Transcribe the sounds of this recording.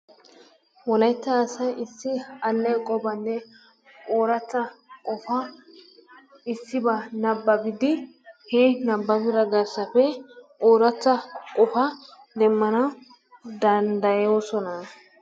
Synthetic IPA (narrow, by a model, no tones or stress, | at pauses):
wɔlɐjt̪ːɐːsɐjɪsːɪɐlːɛjkʼɔbɐnːɛ | oːɾɐt͡sːɐkʼɔfɐ | ɪsːɪbɐnɐbːɐbɪd̪ɪ | hɛnɐbːɐbɪɾɐɡɐɾsɐfɛʔoːɾɐt͡sːɐkʼɔfɐ | d̪ɛmːɐnɐ | d̪ɐnd̪ɐjoːsɔnɐ